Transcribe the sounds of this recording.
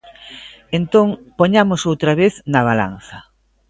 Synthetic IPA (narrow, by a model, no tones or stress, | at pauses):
ent̪oŋpoɲamʊsowt̪ɾɐβeθnɐβ̞ala̰n̟θɐ